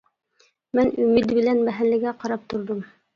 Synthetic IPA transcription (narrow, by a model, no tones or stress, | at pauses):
mɘnʉmɘt̪bɘ̆lænbæɦænlːɘ̆ɡæqɑɾɑp̚t̪ŏɾðom